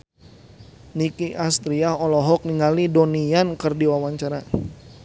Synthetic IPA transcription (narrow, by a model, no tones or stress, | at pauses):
nikiʔast̪ɾiaɦɔlɔɦɔk̚niŋalidoniankərdiwawaɲt͡ʃaɾa